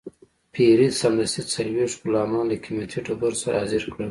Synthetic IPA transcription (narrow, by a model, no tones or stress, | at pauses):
pʰiɾisamɾɐst̪it͡salweːʂʈkulɑːmɑ̃ːlakʰimet̪ʰiʈʰobuɾsaɾːziɾkɽə